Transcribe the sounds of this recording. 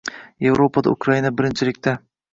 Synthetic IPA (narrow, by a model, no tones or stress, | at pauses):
je̞vɾopʰad̪a̰ʊkɾainabɪɾɪnt͡ʃʰɪlɪkʲt̪ʰa